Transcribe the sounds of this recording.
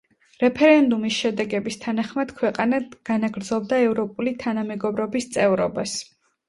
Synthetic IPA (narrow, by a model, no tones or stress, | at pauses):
ɾɛpʰɛɾɛnd̪umisʃɛd̪ɛɡɛbist̪ʰanaχmad̪̥kʰwɛqʼanad̪ɡ̥anaɡɾd̪zɔb̚d̪aɛvɾɔpʼulit̪ʰanamɛɡɔbɾɔbist̪sʼɛvɾɔbas